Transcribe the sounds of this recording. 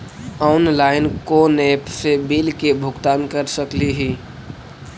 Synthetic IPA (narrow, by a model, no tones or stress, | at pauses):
ɔʊnlaːɪnkonepsebilkebʱʊɡt̪aːnkəɾsəkliɦi